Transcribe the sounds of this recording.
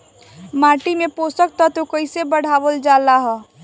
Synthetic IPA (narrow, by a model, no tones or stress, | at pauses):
maːʈimẽpoːsək̚t̪ɔt̪okəɪsebəɽ̤aːʋəld͡ʒaːlaɦɛ